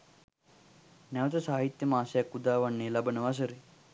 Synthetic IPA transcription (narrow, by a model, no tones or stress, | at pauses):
nɛʋət̪ɐsaːɦit̪jɐmaːsjakːud̪aːʋaɳːeːlabənəʋas̬əɾe